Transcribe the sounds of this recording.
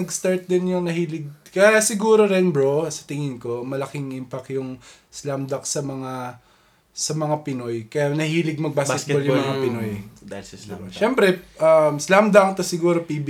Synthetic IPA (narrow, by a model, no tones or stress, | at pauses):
nɐɡst̪aɹt̪̚d̪ɪnjʊŋnɐhiːlɪɡ̚kɐjasɪɡuːɾo̞ɾɛnbɾosɐ̥t̪ɪŋɪnko̞mɐlɐkɪŋɪmpɐkjʊŋ | slamd̪ɐksɐmɐŋa | sɐmɐŋapɪno̞jkɐjanɐhiːlɪɡ̚mɐɡ̚baːskɛt̪̚oljʊmɐŋapɪnoj | ɾoʃɛmpɾɛʔɐmslamd̪ɐŋt̪ɐsɪɡuːɾopibi